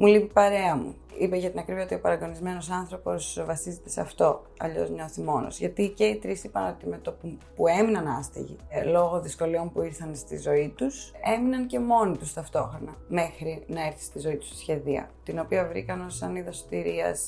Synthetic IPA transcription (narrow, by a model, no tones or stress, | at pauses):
mulipipɐɾe̞ɐmṵ | ipeʝɐt̪inɐkɾiviot̪io̞pɐɾɐɡo̞nizme̞nosɐnθɾo̞po̞svɐsizet̪e̞seɐft̪o̞ | ɐ̰ʎo̞̰zmɲosimo̞no̰zʝɐt̪ice̞it̪ɾisipɐno̞t̪ime̞t̪opupueminɐnɐst̪ḭʝḭlo̞ɣo̞ðisko̞lio̞mpuiɾθɐnst̪ḭzo̞it̪useminɐnce̞mo̞nit̪ust̪ɐft̪o̞xɾo̞nɐme̞xɾinɐe̞ɾθi̥st̪izo̞it̪u̥si̥sçe̞ðiɐ̰t̪ino̞piɐvɾḭkɐnosɐniðɐsot̪iɾiɐ̰s